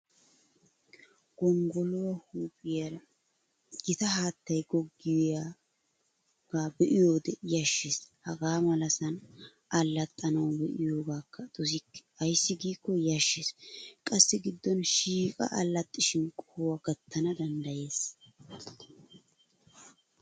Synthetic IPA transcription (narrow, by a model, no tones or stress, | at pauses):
ɡ̥ɔŋɡɔlɔwɐhuːpʼɪjɐl | ɡɪt̪ɐɦaːt̪ːɐjɡɔɡːɪjja | ɡ̥aːbɛʔɪjo̞ːd̪ɛjɐʃːeshɐɡaːmɐlɐsɐn | ɐlːɐt̪ʼːɐnɐwbɛʔɪjo̞ːɡaːkːɐt̪ʼɔs̬ɪkːɪ̥ɐjsːɪɡiːkːɔjɐʃːeːskʼɐsːɪɡɪd̪ːɔnʃiːkʼɐ̰ʔɐlːɐt̪ʼːɪʃɪnkʼɔhwɐɡɐt̪ːɐnɐd̪ɐnd̪ɐje̞ːs